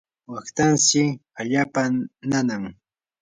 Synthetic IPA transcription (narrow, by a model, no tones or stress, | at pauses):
wakt̪ansɪaʎaːpananaŋ